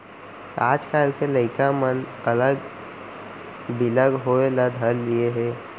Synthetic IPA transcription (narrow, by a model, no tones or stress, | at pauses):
a̰ːd͡ʒkaːlkeləɪkamənələɡ | bɪləɡɦoelad̪ʱəɾlieɦɛː